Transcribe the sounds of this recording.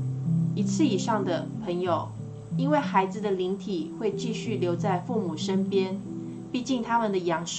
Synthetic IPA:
i˨˩t͡sʰɹ̩˥˩i˨˩ʂɑ˥˩ŋd̪ə˩pʰɤ˧˥ŋjo˨˩ʊ | i˥nwe˥˩ɪxa˧˥ɪd͡zɹ̩˨d̪ə˨li˧˥ŋt̪ʰi˨˩xwe˥˧ɪt͡ɕi˥˧ɕy˥˩ljo˧˥ʊt͡sa˥˧ɪfu˥˩mu˨˩ʂə˥npjɛ˥n | pi˥˧t͡ɕi˥˩ŋt̪ʰa˥mə˨nd̪ə˩jɑ˧˥ŋʂ

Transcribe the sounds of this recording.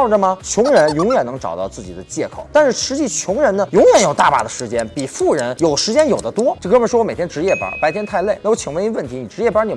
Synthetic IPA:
ʊʈ͡ʂə˩mɐ˩t͡ɕʰjʊ˧˥ŋɻə˧˥njʊ˧˥ŋɥɛ˨˩nɤ˧˥ŋʈ͡ʂɑ̰˨˩ʊt̪ɑ˥˧ʊt͡sɹ̩˥˩t͡ɕḭ˨˩d̪ə˦t͡ɕjɛ˥˩kʰo̰˨˩ʊt̪a˥˧nʂɻ̩˥˩ʂɻ̩˧˥t͡ɕi˧˥˩t͡ɕʰjʊ˧˥ŋɻə˧˥nnə˧jʊ˧˥ŋjɥɛ˨˩njo˨˩ʊt̪a̰˥˩pa̰˨˩d̪ə˦ʂɻ̩˧˥t͡ɕjɛ˥npi˨˩fu˥˩ɻə˧˥njo˨˩ʊʂɻ̩˧˥t͡ɕjɛ˥njo˨˩d̪ə˦t̪wɔ˥t͡ɕkə˥bə˨˩nʂwɔ˥wme˨˩ɪjɛ˥ʈ͡ʂɻ̩˧˥jɛ˥˩pɐ̰˧˥pa˧˥ɪt̪ʰjɛ˥nt̪ʰa˥˧ɪle˥˩ɪa˥˩wt͡ɕʰi˨˩ŋwə˧˥˧wə˥˩nt̪ʰi˧˥ni˨˩ʈ͡ʂɻ̩˧˥jɛ˥˩pa˥ni˨˩

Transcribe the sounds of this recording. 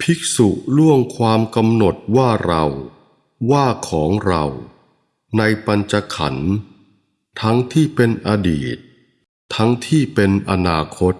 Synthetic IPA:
pʰi˦˥k̚su˨˩lu˥˩əŋkʰwaː˧mka˧mno˨˩t̪̚waː˥˩ɾa̰˧w | waː˥˩kʰɔː˩˦ŋɾa̰˧w | na˧jpa˧nt͡ɕa˧kʰa̰˩˦n | t̪ʰa˦˥ŋt̪ʰiː˥˩pe˧nʔa˧dḭː˨˩t̪̚ʰː | a˦˥ŋt̪ʰiː˥˩pe˧nʔa˧naː˧kʰo˦˥t̪̚

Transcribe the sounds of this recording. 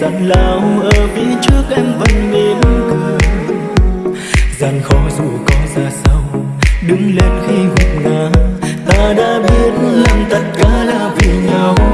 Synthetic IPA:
za˧˨˩nlaː˨˩mʔəː˨˩vi˧˦t͡ɕɨ˦˥ək̚ʔɛ˧mvə˧˩jŋne˨˩˦kəː˨˧˩ | za˨˩nxɔ˨˦jzṵ˧˨˩kɔ˨˦zaː˧sa˧w | ɗɨ˨˦ŋle˧nxi˧vʊ˨˩ŋ͡mŋaː˨˩˦t̪aː˧ɗa̰ː˧˥ɓi˦˥ət̚la˨˩ŋt̪ə˧˥t̚kaː˧˦laː˧˩vi˨˩ɲa˧w

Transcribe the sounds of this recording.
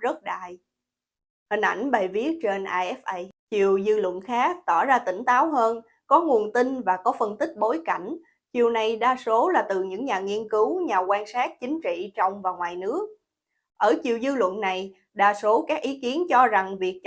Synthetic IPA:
zə˦˥t̚ɗa̰ː˧˨j | hï˨˩ŋ̟ʔa̰˧˩jŋ̟ɓə˨˩jvi˦˥ət̚t͡ɕe˧nʔaː˧ʔɛ˦˥fʔə˧jt͡ɕi˨˩əwzɨː˧lwə̰˧˨nxaː˦˥k̚t̪ɔ˧˩zaː˧t̪ï˧˩ŋ̟t̪aː˨˦wɦəː˧n | kɔ˨˦ŋu˨˩ənt̪i˧nvaː˨˩kɔ˨˦fə˧nt̪ï˦˥k̟̚ɓo˨˦jka˧˩jŋ̟ | t͡ɕi˨˩əwna˨˩jɗaː˧so˨˦laː˨˩t̪ɨ˨˩ɲɨ̰˧˥ŋɲaː˨˩ŋi˧ənkɨ˨˦wɲaː˨˩kwaː˧nsaː˦˥k̚t͡ɕï˨˦ŋ̟t͡ɕḭ˧˨t͡ɕɔ˧wŋ͡mvaː˨˩ŋwaː˨˩jnɨ˦˥ək̚ | ʔəː˧˩t͡ɕi˨˩əwzɨː˧lwə̰˧˨nːa˨˩j | ɗaː˧so˨˦kaː˦˥k̚ʔi˨˦ki˨˦ənt͡ɕɔ˧za˨˩ŋvi˨˩ək̚t͡ɕ

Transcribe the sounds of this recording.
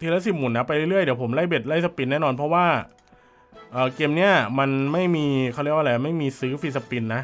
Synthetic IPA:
t̪ʰiː˧lɛ˦˥s̬i˨˩mu˨˩nːa˦˥pa˧jɾɯ˥˩˨ɾɯ˥˩jdi˩˦wpʰo˩˦mla˥˩jbe˨˩t̪̚la˥˩jsa˧pi˧nːɛː˥˩˨nɔː˧npʰɔ˦˥waː˥˩ | ʔɤː˨˩keː˧mni˦˥ɐma˧nma˥˩jmiː˧kʰa˥˩ɾlwʔla˧ja˨˩ma˥˩jmiː˧sɯː˦˥fiː˧˩sa˧pi˧nːa˦˥ʔ

